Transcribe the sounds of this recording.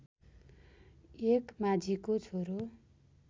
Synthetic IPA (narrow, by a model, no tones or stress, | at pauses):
ekmad͡zikot͡sʰoɾo